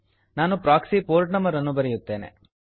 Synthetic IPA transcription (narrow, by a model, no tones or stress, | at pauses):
naːnupɾaːksipoːɾʈnɐmɐɾɐnːubɐɾɛjut̪ːe̞ːnḛ